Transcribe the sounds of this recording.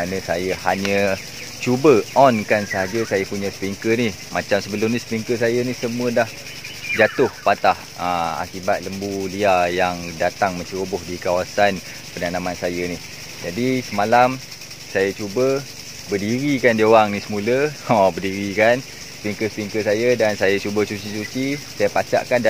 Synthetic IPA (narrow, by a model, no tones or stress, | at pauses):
anə̃sajəhaɲə̃ | t͡ʃubəɔnkansəɦad͡ʒəsajəpuɲə̃spliŋkənih | mat͡ʃamsəbəlʊmnispliŋkəsajənisəmũədah | d͡ʒat̪ʊhpat̪ah | əma̰kibat̪̚ləmbuliajaŋdat̪aŋmə̃ɲt͡ʃəɾobʊhdikawasan | pənanamansajənih | d͡ʒadisəmalam | sajat͡ʃubə | bədiɾikandioɣaŋnisəmuləobərdiɾikan | səpiŋkəspiŋkəsajədansajat͡ʃubəsut͡ʃisut͡ʃisajəpat͡ʃa̰ʔkanda